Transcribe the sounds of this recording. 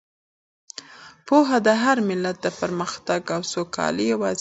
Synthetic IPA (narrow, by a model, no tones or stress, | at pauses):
poɦad̪əɦaɾmɪlat̪̚d̪əpəɾməxt̪aɡawsokʰɑ̰lijawɑz